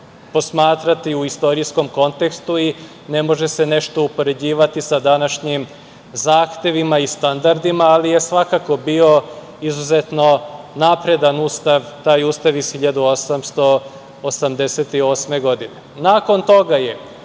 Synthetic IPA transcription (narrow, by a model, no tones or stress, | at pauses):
po̞smaːt̪ɾat̪iuist̪o̞ɾisko̞mko̞nt̪e̞kst̪ui | ne̞mo̞ʒese̞ne̞ʃt̪o̞upo̞ɾe̞d͡ʑiːʋat̪isad̪anaʃɲim | zaːxt̪je̞ʋimaist̪and̪aɾd̪imaːlije̞sʋakako̞bio̞ | izuzet̪no̞napɾe̞d̪anuːst̪aʋt̪aːjuːst̪aʋisxiʎad̪uosamst̪o̞ː | samd̪e̞set̪io̞ːsme̞ɡo̞d̪ine̞naːko̞nt̪o̞ɡaje̞